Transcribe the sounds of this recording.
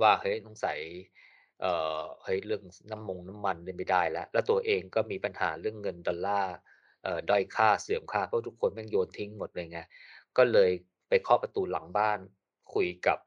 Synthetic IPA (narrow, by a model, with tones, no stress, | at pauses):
waː˥˩hɤ˦˥nɔ˧˥˩ŋsa˩˦j | ʔəː˨˩hɤ˦˥jlɯ˥˩əŋna˦˥˨mːo˧ŋna˦˥mːa˧nlɤː˧˩jma˥˩jdaː˥˩jlɛ˦˥ʔlɛ˦˥wt̪u˧ɐʔeː˧ŋkɔː˥˩miː˧pa˧nha̰ː˩˦ɾɯ˥˩əŋːɤ˧ndɔ˧lːaː˥˩ | ʔɤː˨˩dɔ˥˩jkʰaː˥˩sɯ˩˦əmkʰaː˥˩pʰɔ˦˥˩u˦˥kʰːo˧nmaː˥˩ŋjoː˧nt̪ʰi˦˥ŋmo˨˩t̪̚ʔɤː˧ja˧ŋːi˦˥kɔː˥˩lɤː˧j | pa˧jkʰɔː˥˩pɾa˧t̪uː˧la˨˩˦ŋbaː˥˩n | kʰu˧jka˨˩p̚